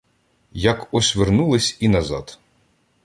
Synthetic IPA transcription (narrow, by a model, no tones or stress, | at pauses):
jɐkɔsʲʋernulˠɪsʲinɐzɑ̰t̪